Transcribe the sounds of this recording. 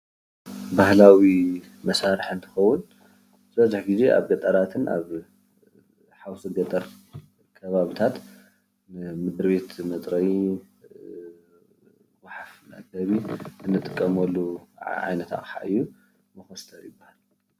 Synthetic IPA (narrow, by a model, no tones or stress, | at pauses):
bahlawi | mɐsaɾɨħɨnt̪ʰɨ̥xɐwːʊn | zbɐzɨħɡize̞ʔa̰βɡɐt̪ʼɐɾat̪ʰɨnʔa̰β | ħawsɨɡɐt̪ʼːɐɾ | kʰɐβaβit̪ʰat̪ | nɨmɨd̪ɾβe̞t̪mɐt̪ʼɾɐji | waħafmɐ̰ʔɡɐβiɨnːɨt̪ʼɨkʼːɐmɐlːuʕa̰jnɐt̪a̰ʔʼħa̰ʔɨjːu | mɨxɐst̪ʰɐɾjɪbːahal